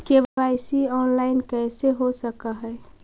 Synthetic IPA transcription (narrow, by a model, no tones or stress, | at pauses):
kebaɪsiɔːnlaɪnkɛɪseɦosəkaɦɛ